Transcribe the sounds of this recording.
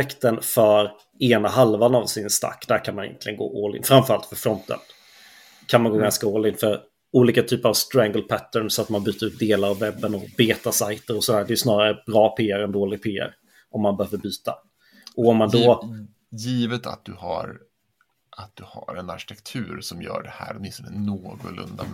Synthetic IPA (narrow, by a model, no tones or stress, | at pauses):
ɛkt̪ənfœɾ | eːnaɦalvanavsɪnst̪a̰kːd̪æɾkʰanmanɪjɛ̰nt̪lɪɡənɡo̰ːʔoːlɪ̰ɡ̪fɾamfœɾalt̪fœɾfɾɔnt̪ə̰n | kʰanmanɡoːɡanskaoːlɪɡ̪fœɾ | uːliːkat̪ʰyːpəɾavst̪ɾaŋɡəlpʰæt̪ːəɳsɔat̪manbyːt̪əɾʉːt̪̚d̪eːlaɾavːɛbːənɔbeːt̪asajt̪əɾɔsɔd̪æːɖɛjʏsnɑːɾaɾəbɾɑːpʰeːəɾɛnd̪oːlɪɡ̚pʰeːæ̰ɾ | ʔɔmːanbɛhøːvəɾbyːt̪a̰ | ʔɔɔmːand̪ɔ | jiːvət̪a̰t̪̚d̪ɵha̰ɾ | ʔat̪̚d̪̥ɵhaɾɛnaɾɕɪ̥t̪ʰɛkt̪ʰʉ̟ːɾsɔmjœ̰ːɖɛhæ̰ːɖmɪst̪ɔnənoːɡʊ̰lɵ̰nd̪a